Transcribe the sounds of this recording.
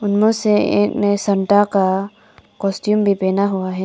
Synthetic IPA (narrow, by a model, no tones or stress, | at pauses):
ʊnmõseḛːknesɐ̃ɳʈaka | kɔːsʈjuːmbʱipeːnaɦʊaɦɛː